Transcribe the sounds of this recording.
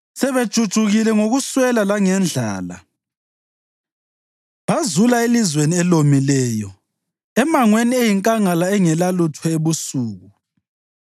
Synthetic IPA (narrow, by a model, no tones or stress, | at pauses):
sɛβe̥ʒ̥ʱud̥ʒ̥ʱuɣilɛŋoɣuswɛlalaŋɛnd͡ɮʱa̰ːla̰ | βazulaelizweniɛlomilɛːjɔ | ɛmaŋweniejiŋkʼaŋalaɛŋɛlalutʰɛeβusuːɣu